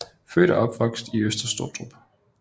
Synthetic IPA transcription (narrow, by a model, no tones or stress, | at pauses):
føːɾ̥ɐɒ̽b̥ʋɒ̽ɡ̥sd̥iøsd̥ɐsd̥o̝ɐ̰d̥ʁob̥